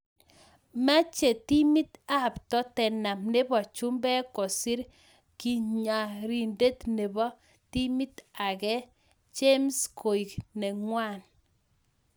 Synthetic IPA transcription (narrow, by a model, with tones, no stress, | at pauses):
ma˦t͡ʃe˨ti˦mi˦t̪a˨ptɔ˦tɛ˨na˨mne˦bɔ˨t͡ʃu˦mbɛ˦kɔ˨si˦ɾ | ki˨ɲa˨ɾi˨nde˦tne˨bɔ˦ | ti˦mi˦ta˨kɛ˦ | t͡ʃe˦mskʰo˨i˨knɛ˨ŋwa˦˨n